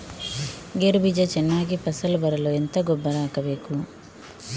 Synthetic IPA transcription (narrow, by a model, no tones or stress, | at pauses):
ɡeɾubid͡ʒɐt͡ʃɛnːaːɡipɐsɐlbɐɾɐloːent̪ɐɡɔbːɐɾaːkɐʋeːku